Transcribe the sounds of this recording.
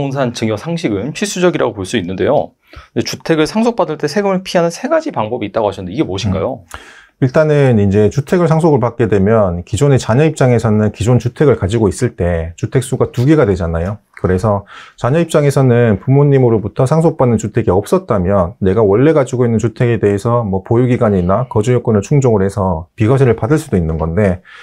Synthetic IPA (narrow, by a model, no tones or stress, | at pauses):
ns̬ʰant͡ɕɯŋjʌsʰaŋɕʰiɡɯnt͡ɕʰis͈ud͡ʑʌɡiɾa̰ɡopoɭs͈uinːɯnde̞̰jo̰ | det͡ɕutʰe̞ɡɯɭsʰaŋs̬ʰok̚p͈adɯɭt͈e̞sʰe̞ɡɯmɯɭpʰiɦanɯnsʰe̞ɡad͡ʑipaŋbʌbiːt͈aɡoɦaɕʌndeiɡe̞moɕʰiŋɡa̰jo | iɭt͈anɯnind͡ʑe̞t͡ɕutʰe̞ɡɯɭsʰaŋs̬ʰoɡɯɭpak̚k͈e̞dwe̞mjʌnkid͡ʑone̞t͡ɕaɲʌip̚t͡ɕ͈aŋe̞sʰʌnɯnkid͡ʑont͡ɕutʰe̞ɡɯɭkad͡ʑiɡois͈ɯɭt͈e̞t͡ɕutʰe̞k̚s͈uɡatuɡiɡadwe̞d͡ʑanajo | kɯɾe̞sʰʌt͡ɕaɲʌip̚t͡ɕ͈aŋe̞sʰʌnɯnpumoɲːimɯɾobutʰʌsʰaŋsʰok̚p͈anːɯnt͡ɕutʰe̞ɡiʌp̚s͈ʌt̚t͈amjʌnːe̞ɡawʌɭːe̞ɡad͡ʑiɡoinːɯnt͡ɕutʰe̞ɡe̞de̞ɦesʰʌmwʌpojuɡiɡwaɲinakʌd͡ʑujʌk͈onɯɭt͡ɕʰuŋd͡ʑoŋɯɭhe̞sʰʌpiɡaɕʰiɾɯɭpadɯɭs͈udoinːɯnɡʌnde̞